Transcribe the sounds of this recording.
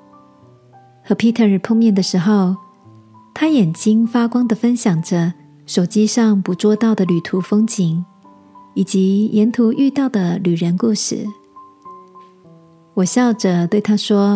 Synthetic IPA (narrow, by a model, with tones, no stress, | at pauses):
xɤ˧˥pʰi˥t̪ʰə˥˨˩ɻ̩˨˩pʰʊ˥˧ŋmjɛ˥˩nd̪ə˩ʂɻ̩˧˥xo˥˧ʊ | t̪ʰa˥jɛ˨˩nt͡ɕi˥ŋfa˥kwɑ˥ŋd̪ə˨fə˥nɕjɑ˨˩ŋʈ͡ʂə˦ | ʂo˨˩ʊt͡ɕi˥ʂɑ˥˩ŋpu˧˥t͡swɔ˥˧t̪ɑ˥˩ʊd̪ə˩ly˨˩t̪ʰu˧˥fɤ˥ŋt͡ɕʰi˨˩˦ŋ | i˨˩t͡ɕi˧˥jɛ˧˥nt̪ʰu˧˥ʔy˥˧t̪ɑ˥˩ʊd̪ə˩ly˨˩ɻə˧˥nku˥˩ʂɻ̩˥˩ | wɔ˨˩ɕjɑ˥˩ʊʈ͡ʂə˨˩t̪we˥˩ɪt̪ʰa˥ʂwɔ˥